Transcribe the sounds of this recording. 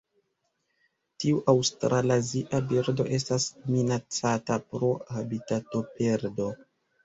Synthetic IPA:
tiuʔawstɾʔalaziʔabiɾdo̞̰ʔe̞s̬tasminat͡satapɾo̞habitato̞pe̞ɾdo̞

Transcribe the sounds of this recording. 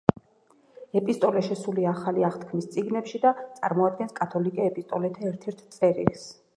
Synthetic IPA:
ɛpʼist̪ʼɔlɛʃɛsuliaaχaliaχt̪ʰkʰmist̪sʼiɡnɛpʃid̪at̪sʼa̰ɾmɔad̪̚ɡɛnskʼat̪ʰɔlikʼɛɛpʼist̪ʼɔlɛt̪ʰaɛɾt̪ʰɛɾt̪ʰt̪sʼɛɾḭls

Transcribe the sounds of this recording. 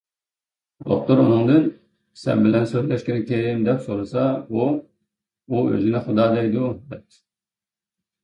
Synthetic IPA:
d̪o̰χ̚t̪ɨɾṵnɨŋd̪ɨn | sɛ̰nbɪlɛnsøzlɛʃkʲinɪk̪ʲʰeɾmd̪ɛpsoɾɨsɑbu | uø̰zɪnɪχʊd̪ɑːd̪ɛjd̪ud̪ɛp̚

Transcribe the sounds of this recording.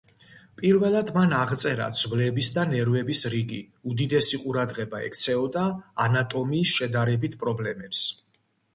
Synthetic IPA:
pʼiɾvɛlˠad̪manaʁt̪sʼɛɾa̰d̪z̥vlɛbisd̪anɛɾvɛbisɾiɡi | ud̪id̪ɛsiqʼuɾad̪ʁɛbaɛ̰kʰt̪sʰɛɔd̪aːnat̪ʼɔmiːsʃɛd̪aɾɛbit̪ʰpʼɾɔblɛmɛps

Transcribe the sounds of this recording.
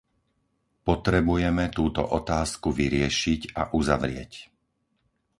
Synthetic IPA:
pɔt̪ɾɛbujɛmɛt̪uːt̪ɔ̰ʔɔt̪aːskuʋiɾɪɛʃicaʔuza̰ʋɾɪɛ̰c

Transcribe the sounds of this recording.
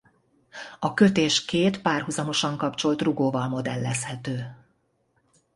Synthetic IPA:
ɒkø̞t̪eːʃkeːt̪paːrɦuzɒmo̞ʃɒŋkɒpt͡ʃo̞lt̪ruɡoːvɒlmo̞d̪ɛlːɛshɛt̪øː

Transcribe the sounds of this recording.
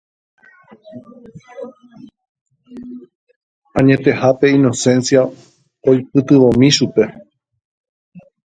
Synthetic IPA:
ãɲẽ̞t̪e̞hape̞ino̞sẽ̞nsja | ojp̚ɨt̪ɨʋõ̞mĩʃupe̞

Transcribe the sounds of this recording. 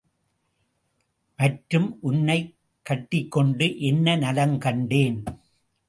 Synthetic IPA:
mɐʈɾɯmʔʊnːɐɪ | kːɐʈːɪkːɔɳɖɯʔɛnːɐnɐlɐŋkɐɳɖeːn

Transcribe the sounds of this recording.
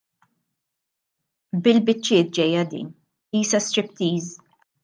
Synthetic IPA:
bɪlbɪt͡ʃːɪːt̪̚d͡ʒɛjːɐd̪ḭːn | iːsɐst̪ɾɪpt̪iːz

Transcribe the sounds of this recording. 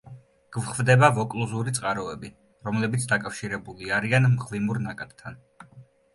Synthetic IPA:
ɡ̥vχvd̪ɛbavɔkʼlˠuzuɾit̪sʼqʼaɾɔɛbi | ɾɔmlɛbit̪sʰd̪akʼafʃiɾɛbuliaɾianmχvimuɾnakʼat̪t̪ʰːan

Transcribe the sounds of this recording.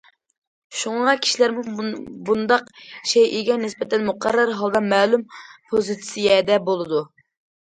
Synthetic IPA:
ʃuŋɑkʲʰi̥ʃilæɾmubund̪ɑqʃejʔiɡʲɛnɪspɛt̪ʰɛnmuqʰɑɾːɑɾɦɑlˠd̪ɑmɛːlumpʰozɨt̪sijɛd̪ɛbolˠɨd̪u

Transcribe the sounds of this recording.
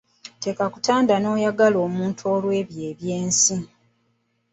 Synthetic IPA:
te̞kakutaːndano̞ːjaɡalo̞ːmuːntʰuoːlwe̞ːβje̞ːβjeːnsi

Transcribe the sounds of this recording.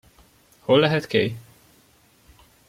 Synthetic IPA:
holːɛɦɛt̪keːj

